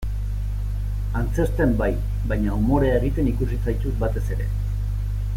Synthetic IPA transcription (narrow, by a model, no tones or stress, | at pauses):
ant͡se̞st̪e̞mbaj | bajɲaumo̞ɾe̞aeɣ̞it̪e̞nikusit͡sajt̪ut̪̚bat̪e̞se̞ɾe̞̰